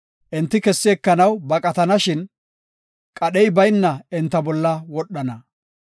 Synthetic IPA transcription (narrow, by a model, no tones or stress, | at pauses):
ʔɛnt̪ːɪkɛsːɪːkːɐnɐwbɐkʼɐt̪ɐnɐʃɪn | kʼɐɗɛjbɐjnːɐɛnt̪ːɐbɔlːɐwɔɗːɐnɐ